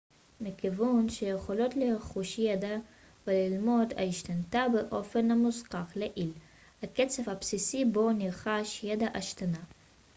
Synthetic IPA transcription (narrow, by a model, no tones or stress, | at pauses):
mikivunʃejeχolo̞t̪leχuʃjed̪a | velilmo̞d̪a̰iʃt̪ant̪abeʔo̞fenamusqaχleʔil | haket͡se̞vhapsisibo̞niʁχaʃjed̪aʔaʃt̪ana